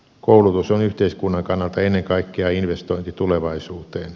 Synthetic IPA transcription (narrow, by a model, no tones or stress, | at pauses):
koulut̪usonyht̪eiskunːɑŋkɑnːɑlt̪ɑenːeŋkɑikːeɑinʋest̪oint̪it̪uleʋɑisuːt̪eːn